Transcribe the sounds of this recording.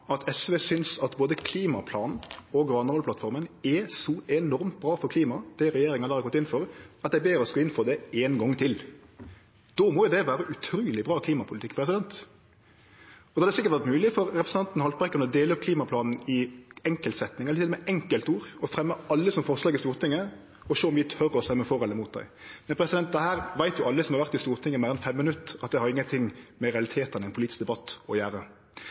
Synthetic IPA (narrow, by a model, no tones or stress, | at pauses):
ɑt̪ʰɛsʋeːsʏnsɑt̪boːd̪əkʰliːmɑpʰlɑːnn̩ɔɡɾɑːnəɔlpʰlɑt̪fɔɾmənɛsɔɛnɔɾmt̪̚bɾɑːfɔɾkʰliːmɑd̪̥ɛɾɛjeːɾɪŋəɑnəɑhɑɾɡɔt̪ːɪnfɔɾɑt̪d̪æɪbeːɾɔskɑɪnfɔd̪ɛeːnɡɔŋt̪ʰɪl | d̪̥ɔːmɔːjʊd̪ɛʋæːɾəʔʉt̪ʰɾuːlɪbʁɑːkʰliːmɑpʰʊlt̪ɪkːpʰɾɛs̬ɪd̪ɛnt̪ | ɔd̪ːɑd̪ɛsɪkəʁt̪ʋæʁt̪mʉːlɪfɔɾɾɛpɾəsn̩ʰɑnt̪n̩hɑlt̪bʁɛkːənəɔd̪eːləɔpkʰliːmɑpʰlɑːnn̩ɪɛŋkəlt̪sɛt̪nɪŋɛlət̪ɪlɔmɛʔɛŋkəlt̪uːɾɔfɾɛmːəɑlːəsɔmfɔʁslɑːɡɪst̪uːʁt̪ʰɪŋːə | ɔʃoːɔmʋɪt̪ʰœɾɔst̪ɛmːəfɔɾʁɔlːəmut̪̚d̪æ̰ɪmɛnpʰɾɛsɪd̪ɛnt̪d̪ɛhæːʁʋæɪt̪̚jʊɑlːəsɔmhɑʁʋæʁt̪ɪst̪uːɾt̪ʰɪŋːəmeːɾɛnfɛmːɪnʉt̪ːɑt̪̚d̪ɛhɑʁɪŋːənt̪ʰɪŋmɛɾɛɑlɪt̪ʰeːt̪ənæɪpʰʊliːt̪ɪsk̚d̪ɛbɑt̪ːɔjæːɾə